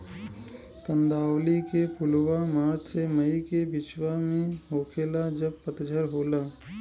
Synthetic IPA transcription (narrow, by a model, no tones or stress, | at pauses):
kə̃nd̪aːwlikepʊlwamaːd͡ʒseməikebɪt͡ʃwamẽɦoːkʰeːlad͡ʒəb̚pət̪d͡ʒʱəɾɦoːlaː